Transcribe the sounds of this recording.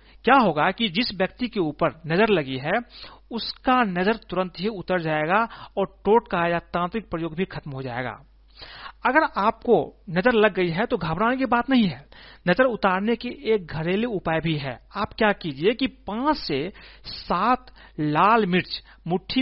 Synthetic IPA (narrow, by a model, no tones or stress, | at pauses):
kjaɦoːɡakid͡ʒɪsbjək̚t̪ikeuːpəɾnɐzəɾlɐɡiɦɛʊskanɐzəɾt̪ʊɾə̃nt̪ɦiʊt̪əɾd͡ʒaːeɡaɔːɾʈoːʈkajaːt̪ãːnt̪ɾɪk̚pɾəjoːɡbʱikʰɐt̪mɦod͡ʒa̰ːḛːɡa̰ː | ɐɡəɾaːp̚konɐzəɾləɡːəiɦɛt̪oɡʱaːbɾaːnekibaːt̪nɐɦĩɦɛːnɐzəɾʊt̪aːɾnekeʔeːk̚ɡʱɐɾeːleʊpaːjbʱiɦɛ̰aːpkjakiːd͡ʒiekipãːt͡ʃsesaːt̪ | laːlmɪɾt͡ʃ | mʊʈʰːi